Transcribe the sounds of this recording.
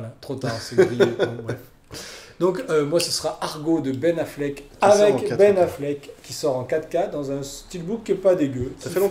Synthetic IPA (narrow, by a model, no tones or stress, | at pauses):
lat̪χot̪aʁseʁijeɔ̃wɛ | d̪ɔ̃kømwasəsəʁaʔaʁɡod̪əbɛnaflɛk | avɛ̃kbɛnaflɛkʲːisɔʁɑ̃kat̪kad̪ɑ̃zɛ̃st̪ilbukʲːɛpad̪eɡøsfɛ̃